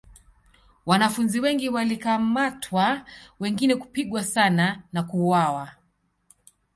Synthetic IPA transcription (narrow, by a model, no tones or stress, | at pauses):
wanafunziwɛŋɡiwalikamatʰwawɛŋɡinɛku̥piɠwasananakuwawa